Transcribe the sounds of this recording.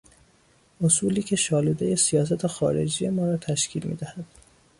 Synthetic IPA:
ʔosuːliːcʰe̞ʃɒːluːd̪eje̞sijɒːs̬æt̪ʰexɒ̰ːɾe̞̰d͡ʒiːje̞mɒːɾɒːt̪ʰæʃcʰiːlmḭːd̪æhæd̪̥

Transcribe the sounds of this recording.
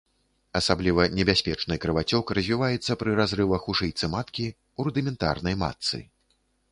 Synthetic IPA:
ɐsablʲivɐnʲɛbʲasʲpʲɛt͡ʂnɨkɾɨvat͡sʲɔkrɐzʲvʲivajɛt̪sːɐpɾɨɾazɾɨvɐxuʂɨjt̪sɨmat̪kʲi | urd̪ɨmʲɛnt̪a̰rnɐjma̰t̪sɨ̰

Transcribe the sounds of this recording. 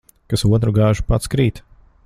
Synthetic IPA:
kasuɔt̪ɾuɡaːʒupat̪skɾiːt̪

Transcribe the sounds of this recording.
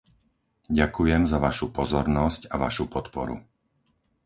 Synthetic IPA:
ɟakujɛmzaʋaʃupɔzɔɾnɔscaʋaʃupɔt̪pɔ̰ɾṵ

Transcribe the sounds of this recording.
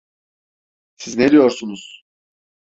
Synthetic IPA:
sizned̪ijo̞ɾsunuz̥

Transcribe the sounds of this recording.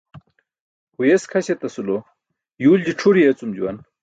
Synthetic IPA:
hujeskʰɐɕet̪ɐsulo | juːld͡ʑiʈ͡ʂʰuɾijet͡sumd͡ʑuwɐn

